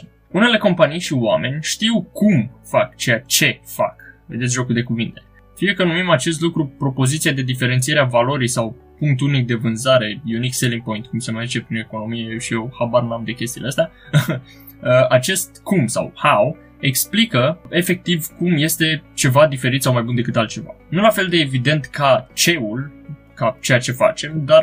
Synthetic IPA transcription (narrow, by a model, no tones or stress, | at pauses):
une̞le̞ko̞mpanijʃiwamʔe̞nʲʃt̪iwkumfakt͡ʃejat͡ʃe̞fa̰kve̞d̪et̪s̬ʲʒo̞kud̪e̞kuvint̪e̞̥ | fijekənumimat͡ʃe̞s̬t̪lukɾupɾo̞po̞zit̪siad̪e̞d̪ife̞ɾent̪sieɾeavalo̞ɾijsawpuŋk̚t̪unik̚d̪e̞vɨnzaɾe̞junikseliŋpo̞jnt̪̚kumse̞majzit͡ʃepɾineko̞no̞mijeʃije̞whabaɾnamd̪e̞kʲe̞st̪ileəst̪ea | əat͡ʃe̞st̪kʰumsa̰whaw | e̞ksplikəe̞fe̞k̚t̪ivkumje̞st̪e̞t͡ʃe̞vad̪ife̞ɾit̪sawmajbund̪e̞kɨt̪alt̪̚t͡ʃe̞va̰nulafe̞ld̪eːvid̪e̞nt̪kʰat͡ʃe̞ul | kat͡ʃe̞jat͡ʃe̞fa̰t͡ʃe̞md̪ar